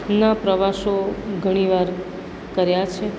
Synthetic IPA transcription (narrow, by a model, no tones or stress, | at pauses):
napɾəʋaʃoɡʱəɽ̃iʋaɾ | kəɾjat͡ʃʰe